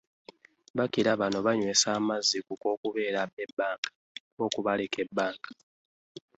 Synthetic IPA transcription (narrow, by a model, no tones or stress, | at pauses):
βakiɾaβano̞βaɲwe̞ːsaːmazːikuko̞ːkuβe̞ːɾaebːaːŋɡḁ | o̞kuβaleke̞bːaːŋɡḁ